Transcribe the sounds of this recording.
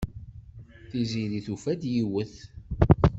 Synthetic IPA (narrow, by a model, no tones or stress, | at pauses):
θiziliθufæd̪jiwəθ